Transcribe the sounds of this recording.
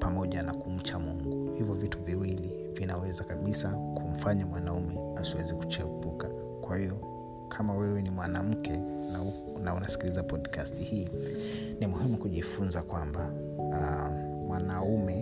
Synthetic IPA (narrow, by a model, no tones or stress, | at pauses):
pamɔʄanakum̩t͡ʃamuŋɡuhivjɔvituviwili | vinawɛzakaɓisakʰum̩faɲamwanaumɛ | asiwɛziku̥t͡ʃɛɓuka | kwahiɔ | kʰamawɛwɛnimwanam̩kʰɛna | naunasi̥kilizapɔdkastihiː | nimuhimukuʄifunzakwamba | mwanaumɛ